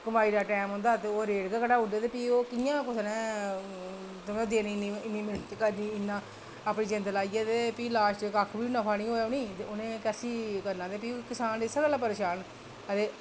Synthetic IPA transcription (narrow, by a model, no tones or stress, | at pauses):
kəmaːiːɾaːʈɛːmɦõːnd̪aːt̪eoːɾeːɖkekəʈaːʊdeːt̪eːpiːoːkɪjãːkʊsnɛ̃ː | t̪ʊmẽd̪eːniiɪnːiːmetkəɾniːɪnːãː | aːpniːd͡ʒẽnd̪əlaːiːeːt̪eːpiːlaːʃʈeːkaːkʰbiːnəpʰaːnĩːoːoniːt̪eonẽːkɛːsiːkəɾnãːt̪eːpiːkɪsaːnd̪esəɾəlaːpəɾeːʃaːn | əd̪eː